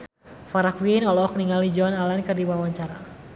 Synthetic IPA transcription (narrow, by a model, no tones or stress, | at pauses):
faɾakwinɔlɔk̚niŋalid͡ʒɔnalankɨrdiwawaɲt͡ʃaɾa